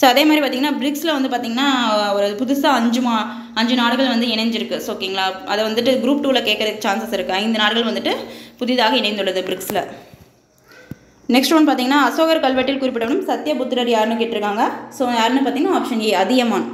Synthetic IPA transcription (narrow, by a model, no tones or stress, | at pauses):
soːɐðeːmad̪ɾipaːɾt̪iːŋɐnːaːbɪɾɪksɪlɐʋɐnd̪ɯp̬aːɾt̪iːŋɡɐnːaːɔɾɐpʊðʊsaːɐɲd͡ʒɯmaː | ɐɲd͡ʒɯnaːɽɯɣɐɭʋɐnd̪ɯɪnɐɲd͡ʒɪɾɯkːɯsoːkiːŋɡɐɭaːɐðɐʋɐnd̪ɯʈ̬ːɯɡɪɾuːpʈuːlɐkeːʈkːɾɐðɯkːɯt͡ʃaːnsɐsɪɾɯkːɯɐɪnd̪ɐnaːɽɯɣɐɭʋɐnd̪ɯʈːɯpʊðɪðaːɣɐɪnɛɪnd̪ɯɭːɐðɯbɪɾɪkslɐ | nɛksʈʋɐnpaːɾt̪iːŋɡɐnːaːɐsoːɣɐɾkɐɭʋɐʈːɪlkʊɾɪpːɪʈɐʋɐɳɯmsɐt̪ːjɐbʊt̪ːɯɾɐɾjaːɾnɯk̬eːʈːɪɾɯkːaːŋɡɐsoːjaːɾɪnːɯpaːɾt̪iːŋɐnaaːpʂɐnɡeːɐðɪɣɐmaːn